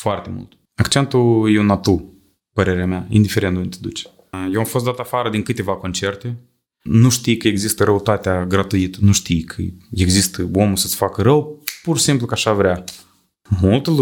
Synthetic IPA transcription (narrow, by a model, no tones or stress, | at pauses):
foart̪e̞mṵlt̪ | akt͡ʃe̞nt̪ujeunat̪u | pəɾeɾeameaḭnd̪ife̞ɾend̪ont̪ed̪ut͡ʃe̥ | jewamfos̬t̪d̪at̪afaɾəd̪inkɨt̪e̞vako̞nt͡ʃe̞rt̪e̞ | nuʃt̪ijkəe̞ɡzist̪əɾəut̪at̪eaɡɾat̪uit̪ənuʃt̪ijkʰə̰eɡzist̪əomusə̥sfakəɾəwpursimplukəaʃavɾea | mult̪əlu